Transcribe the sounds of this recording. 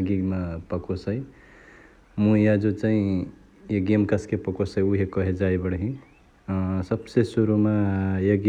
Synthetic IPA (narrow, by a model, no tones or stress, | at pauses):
ɡiɡmapəkosəj | mũjad͡ʒot͡ʃaɦĩ | jeɡemkəskepəkosəjuɦekʌɦed͡ʒajbəɽɦĩ | səbsesuɾumajeɡ